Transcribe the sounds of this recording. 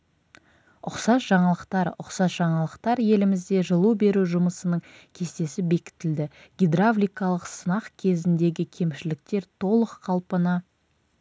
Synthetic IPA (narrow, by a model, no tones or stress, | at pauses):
ʊqsɑsʒɑɴɑlˠəqt̪ɑɾʊqsɑsʒ̥ɑɴɑlˠəqt̪ɑɾje̞lɪmɪzd̪e̞ʒəlˠube̞ɾuʒʊməsənəɴkʲʰe̞st̪e̞sɪbe̞kʲɪ̥t̪ɪld̪ɪɡʲid̪ɾavlʲijkɑlˠəqsənɑqkʲʰe̞zɪnd̪e̞ɡʲɪkʲʰe̞mʃɪlɪk̚t̪e̞ɾt̪ʰo̞lˠəqʰːɑlˠpənɑ